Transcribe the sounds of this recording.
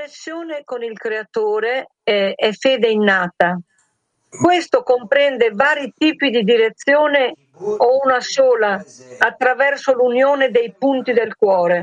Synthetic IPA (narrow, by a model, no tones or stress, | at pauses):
nesːjoːnekonilkɾeat̪oːɾe | ɛɛfeːd̪einːaːt̪a | kwest̪okompɾɛnd̪evaːɾit̪iːpid̪id̪iɾet̪sːjoːne | ounasoːlaːt̪ːɾavɛrsolunjoːned̪ejpunt̪id̪elkwɔːɾe